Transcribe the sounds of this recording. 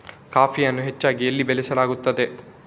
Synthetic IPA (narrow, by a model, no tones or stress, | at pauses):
kaːpijɐnːuɦe̞t͡ʃːaːɡielːibelisɐlaːɡut̪ːɐd̪e̞